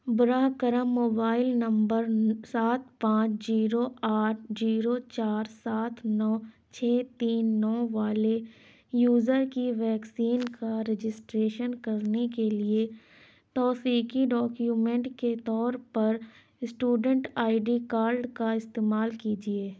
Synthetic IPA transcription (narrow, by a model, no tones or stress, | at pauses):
bʊɾaːɦkəɾəmːoːbaːɪlnɐ̃mbəɾsaːt̪̚pãːt͡ʃʰziːɾoaːʈ̚ʰziːɾot͡ʃaːɾsaːt̪ʰnɔː | t͡ʃʰeːt̪iːnːɔːʋaːle | juːzəɾkiʋɛːksiːnkaɾed͡ʒɪsʈɾeːʃənkɐɾnekelie | t̪ɔːfiːkiɖɔːkjuːmẽɳʈket̪ɔːɾpɐɾ | sʈuːɖə̃ɳʈaːɪɖikaːɾlɖkaɪst̪eːmaːlkid͡ʒieː